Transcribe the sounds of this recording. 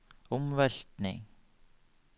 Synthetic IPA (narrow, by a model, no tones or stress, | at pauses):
ʊmvɛɬt̪nɪ̰ŋ